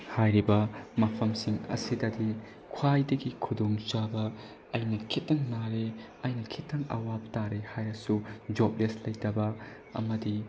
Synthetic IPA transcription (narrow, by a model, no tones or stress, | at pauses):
hajɾibɐmɐpʰɐmsiŋɐ̰sidɐdi | kʰwajdɐɡikʰudoŋt͡ʃabɐ | ɐjnɐkʰitːɐŋnaɾe | ɐjnɐkʰitːɐŋɐ̰wap̚taɾehajɾɐsud͡ʒop̚leslɐjtɐbɐ | ɐ̰mɐdi